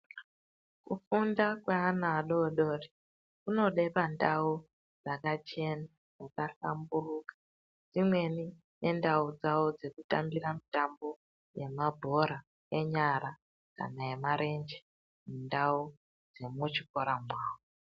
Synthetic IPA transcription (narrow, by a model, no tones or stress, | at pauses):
kufundakweanaːɗoɗori | kuno̞ɗe̞pandau | d͡zakat͡ʃe̞na | d͡zakaɬa̰mburukḁ | d͡zimwe̞ni | ne̞ndaud͡zaod͡ze̞kutambiramitambo̞ | je̞mabʱo̞ɾa | eɲaɾa | ka̰naje̞maɾe̞nd͡ʒe | mundau | d͡ze̞mut͡ʃikoɾamwaːwo